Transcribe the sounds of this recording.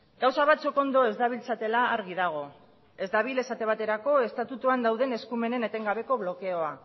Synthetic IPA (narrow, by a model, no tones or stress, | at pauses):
ɡ̥awsaβat͡suko̞nd̪o̞e̞zd̪aβ̞ilt͡sat̪e̞laːɾɣiðaɣ̞o̞ | e̞zd̪aβ̞ile̞sat̪e̞β̞at̪e̞ɾako̞e̞st̪at̪ut̪uand̪awðe̞ne̞skume̞ne̞ne̞t̪e̞ŋɡaβe̞ko̞β̞lo̞ke̞o̞a